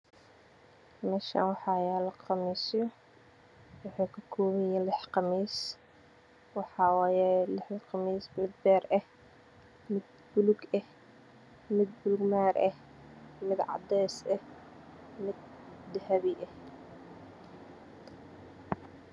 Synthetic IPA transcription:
mɛʃa̰ːnwɑħɑːjaːlɐqɑmiːsjɔ | wɑħɑːkʰɐkʰɔːmɪjaːnlɪħqɑmiːs | wɑħɑːwɑːjɛlɪħqɑmiːsmɪd̪bɛːrɛh | mɪd̪̚ | bʊlʊɡɛh | mɪd̪̚bʊlʊɡmaːɾʔɛh | mɪd̪ʕɑ̰d̪ɛːsɛh | mɪd̪̚d̪ɐhɐβiʔɛh

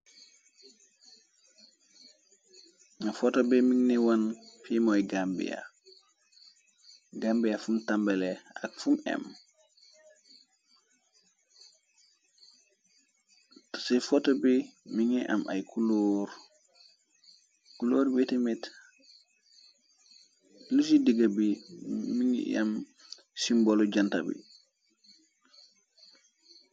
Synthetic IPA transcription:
nafɔtobemiŋniwanfimojɡambḭja̰ | ɡambijafumtambelea̰kfumɛ̰m | tsefotobimiŋiʔa̰mʔa̰jkuloɾ | kuloːɾbitimit | lusidiɡabimiŋḭa̰m | simboloɟanta̰bḭ

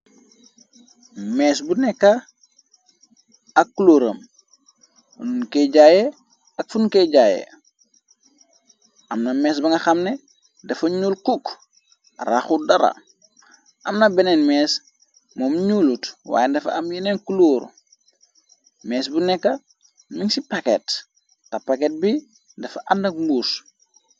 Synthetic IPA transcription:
mɛːsbunɛkːɐ | ɐkːuluːɾɐ̰m | ununkeɟaːje | ɐk̚funkeɟaːjḛ | ɐmnɐmɛːs̬bɐŋɡɐxɐmne | dɐfɐɲuːlkuk | raxudɐɾɐ̰ | ʔɐmnɐbɛnɛnmɛːs | mɔmɲuːlutwa̰ːjɛndɐfɐ̰ɐmjineŋkuluːɾ | mɛːsbunɛkːɐ | miŋsipakɛ̰t | tɐpakɛt̚bi | dɐfɐʔɐndɐk̚mbuːs

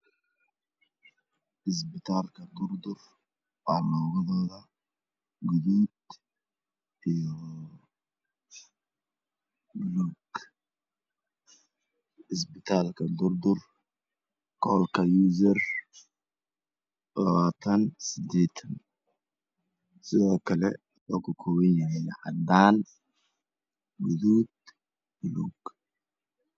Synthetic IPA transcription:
ɪs̬bɪt̪ʰaːlkʰɐd̪ʊrd̪ʊr | waːlɔːɣɐðɔːðɐ | ɡʊðid̪ | ijɔ | luɡ | ɪsbɪt̪ʰaːlkʰɐd̪ʊɾd̪ʊr | kʰɔːlkʰɐjuːzɐr | lɐ̰βaːt̪ʰɐnsɪd̪ɛːt̪ʰɐn | sɪðɔːkʰɐlɛ̰ | lɔːkʰʊkʰʊwɪnɐɛlɐ̰ħad̪aːn | ɡʊðuːd̪̚ | bʊluːɡ̥

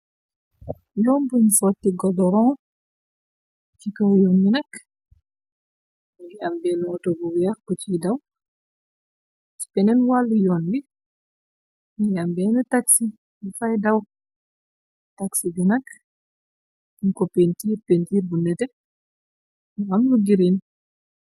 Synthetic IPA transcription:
jɔːnbunfɔtːiɡɔdɔɾɔ | cikɐwjɔnjinɐk | ambɛːnɔtɔbuwɛɾkut͡ʃidaw | t͡ʃi̥pɛnɛnwalːujɔːnbi | ambɛːnɛtaksi | mifajdaw | taksibinɐk | inkɔpentiːɾpentiːɾbunːɛtɛ | mamluɡiɾin

